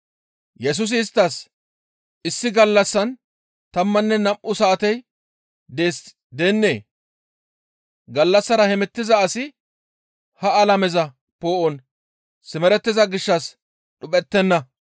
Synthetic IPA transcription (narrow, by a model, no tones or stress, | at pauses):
jɛs̬ʊs̬ɪːst̪ːɐs | ʔɪsːɪɡɐlːɐsːɐn | t̪ɐmːɐnːɛnɐmʔʊsɐːt̪ɛj | d̪eːs | d̪enːe̞̰ː | ɡɐlːɐsːɐɾɐhɛmɛt̪ːɪzɐːsɪ | hɐɐlɐmɛzɐ | poːʔɔn | sɪmɛɾɛt̪ːɪzɐɡɪʃːɐs | ɗʊpʼɛt̪ːɛnːɐ